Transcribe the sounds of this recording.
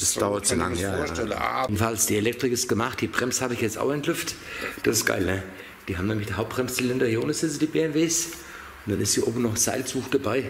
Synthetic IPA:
asd̥aʊɐtz̥ola̰ŋjaːɐʃɛldn̩falsd̥iːelɛk̚tʁ̥ɪkɪst̚ɡ̥əmaχt̚d̥iːbʁɛmshaːbəɪçjɛt͡sta̰ʊxɛntlʏft | d̥asɪstɡ̥a̰ɪlnə | d̥iːɦaːmnɛːmlɪçd̥iːɦaʊp̚t̚b̥ʁɛmst͡silɛndɐhiːoːnəsɪt͡səd̥iːbeːɛnveːs | ʊntd̥anɪstz̥iːʔo̰ːbm̩nɔχz̥a̰ɪlsuːxd̥abaɪ

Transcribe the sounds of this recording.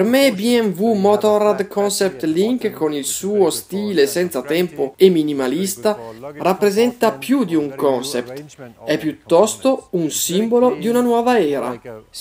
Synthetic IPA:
prmebjɛɱvumɔt̪ɔɾad̪kʰɔnsɛp̚t̪liŋkkːonilsuːost̪iːlesɛnt̪sat̪ɛmpoemːinimalist̪arapːɾezɛnt̪apjud̪iuŋkɔnsɛpt̪ɛpːjut̪ːɔst̪ounsimbolod̪iunanwɔːvaɛːɾa̰

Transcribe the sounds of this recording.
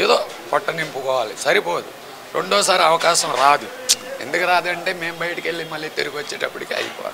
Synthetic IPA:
eːd̪oː | pɔʈːɐnimpukɔːʋaːlisɐɾipoːd̪u | ɾoɳɖoːsaːɾɐʋɐkaːʃɐmɾaːd̪u | end̪ukɐɾaːd̪uɐɳʈe̞ːme̞ːmbɐjɐʈɐkeɭːimɐlːiːt̪eɾuɡʋɐt͡ʃːeːʈɐpːuɽikiːɐ̰jipɔ̰ːʋa̰ː

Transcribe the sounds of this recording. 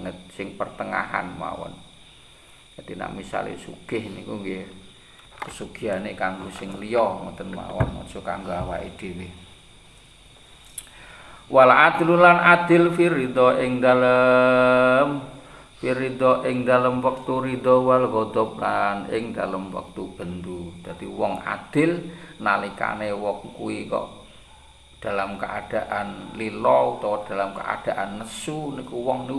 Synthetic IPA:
ŋət̪̚sɪŋpərt̪əŋa̰ha̰nma̰wɔ̰n | kad̪ina̰ʔmisa̰lḛsuɡ̥ɪhnikuŋɡe | kəsuɡ̥i̤anekaŋɡosɪŋlijɔŋə̰t̪ənma̰wɔ̰nmɔ̰̥ʒ̥oka̰ŋɡawaʔid̪̥i̤wɪh | walaʔad̪̥ilulanad̪̥ɪ̤lfiɾid̪ɔʔɪŋd̪alə | m | fiɾid̪ɔʔɪŋd̪aləmwək̚t̪uɾid̪ɔwalɡɔd̪ɔp̚lanɪ̰ŋd̪aləmwa̰k̚t̪ub̥ə̤nd̪ud̪̥a̤d̪̥iwɔŋa̰d̪̥ɪ̤lna̰lika̰newɔŋkuikɔ̰ʔ | d̪̥a̤lamkəʔad̪̥a̤ʔanlilɔut̪ɔwɔd̪̥alamkə̰ʔa̰d̪̥a̤ʔanːəsunikuwɔŋni

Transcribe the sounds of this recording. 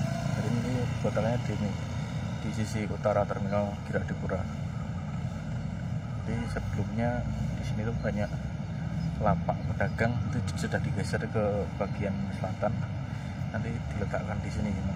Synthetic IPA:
d͡ʒadinant̪ikot̪akaɲadini | d̥isisiut̪aɾat̪ərmikaɡ̥iɾad̥a̤kuɾa | nat̪isəbəlʊmɲad̥isinit̪ub̥aɲaʔ | lapaʔpəd̥aɡ̥aŋit̪usədahd̥ikaisaɾkəb̥aɡ̥iansəlat̪anː | ant̪id̪̥ilət̪aʔkandisinid͡ʒima

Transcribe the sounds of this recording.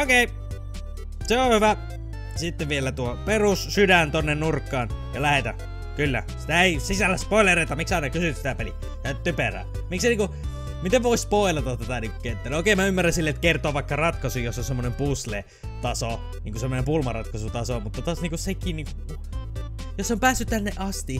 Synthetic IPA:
okeˑi | seohyʋæ | sit̪ːeʋʋielæt̪uoperussydænt̪onːennurkːɑːnjɑlæhet̪æ̰ | kylːæ̰si̥t̪æeisisælːæspoilɑret̪ɑmiksɑinɑkysyt̪si̥t̪æpelḭ | jæt̪yperæ̰ː | mikseniːŋku | mit̪eʋʋoispoilɑt̪ɑt̪t̪ːæt̪æniːŋkukent̪ːelːæoˑkemæymːærænsilːeet̪kert̪oɑʋʋɑˑikːɑrɑt̪kɑsujjosːonsemːonempuslḛ | t̪ɑso | niːŋkusemːonempulmɑrɑt̪kɑsut̪ɑsomut̪ːɑt̪ɑːsniːŋkussekiːnniːŋku | josːompæːsːyt̪t̪ænːeʔɑst̪i

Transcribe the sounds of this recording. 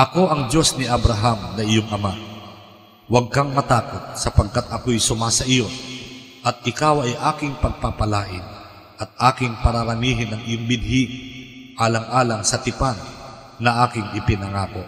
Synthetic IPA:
ʔɐko̞ʔɐŋd͡ʒo̞snɪʔɐbɾɐɦamnɐʔɪjoŋʔɐma | wɐɡ̚kaŋmɐt̪aːkot̪̚sɐpɐɡ̚kat̪̚ɐkojsʊmasɐʔɪjo | ʔɐt̪̚ʔɪkaːwɐjʔaːkɪŋpɐɡ̚papɐlaːʔɪn | ʔɐt̪̚ʔaːkɪŋpɐɾɐɾɐniːɦɪnːɐŋʔɪjoŋbɪd̪̚hi | ʔaːlɐŋʔaːlɐŋsɐt̪ɪpanː | ɐʔaːkɪŋɪpɪnɐŋaːko

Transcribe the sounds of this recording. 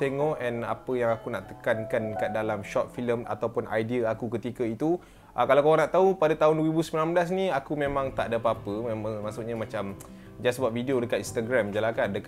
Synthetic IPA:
t̪eŋɔʔɛna̰pəjaŋakunaʔt̪əkankankadalamʃɔt̪̚filəma̰t̪awpʊnʔa̰jdiəakukət̪ikəit̪u | ʔakalawkawanaʔt̪aɦupadat̪aɦʊndwəɾibusəmilanblas̬niakumẽmãŋt̪a̰ʔdapaapəmaʔsuʔɲamat͡ʃam | d͡ʒasbuap̚fidiodəkat̪inst̪aɡɾamd͡ʒəlakandək

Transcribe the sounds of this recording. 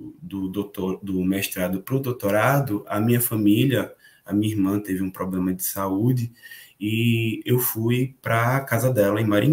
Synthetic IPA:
d̪ʊd̪ot̪oɾd̪ʊmɛʃt̪ɾad̪ʊpɾʊd̪owt̪oɾad̪ʊʔɐmĩɲɐfɐ̃miljɐ | ɐmĩɲɐiɦmɐ̃t̪evɪũpɾʔɔblẽmɐd͡ʒɪsaud͡ʒɪiewfujpɾɐkazɐd̪ɛlɐẽj̃maɾḭ̃

